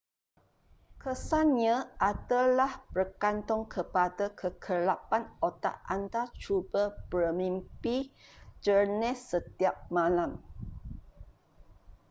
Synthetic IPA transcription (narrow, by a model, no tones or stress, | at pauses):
kʰəsanɲə̃ʔadəlahb̥ərkant̪ɔŋkʰəpadəkʰəkʰəlapanot̪a̰ʔant̪at͡ʃubəbəmĩmpid͡ʒərnɛsət̪iap̚mãlam